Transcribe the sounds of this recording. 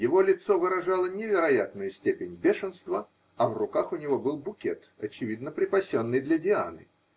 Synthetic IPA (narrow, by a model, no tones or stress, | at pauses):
jɪvo̞lʲɪt̪sovɨɾɐʐalˠənʲɪvʲɪɾɐjat̪nʊjʊsʲtʲepʲɪnʲbʲeʂɨnst̪və | ɐvrʊkaxʊnʲɪvo̞bɨlˠbʊkʲet̪ɐt͡ɕɪvʲid̪nəpɾʲɪpɐsʲonːɨjd̪lʲədʲɪa̰nɨ̰